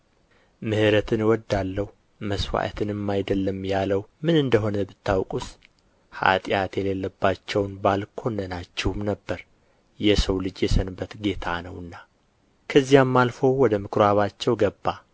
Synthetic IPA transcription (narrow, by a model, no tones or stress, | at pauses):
mɨhɨɾət̪ʰɨnwɔd̪ːalːəhu | məsfa̰ʔə̰t̪ʰɨnɨmːajd̪əlːəmjaləwmɨnɨnd̪əɦo̞nəbɨt̪ːawkʼus | ha̰t̪ʼjat̪jɛle̞lːəbːat͡ʃːɛwnbalkʰo̞nːənat͡ʃːɛhumnəbːəɾ | jɛsəwlɨd͡ʒjɛsənbːət̪ɡe̞t̪ʰanəwɨnːa | kʰəzːijamːalfo̞wɔd̪əmɨkʰɾaβat͡ʃːɛwɡəbːa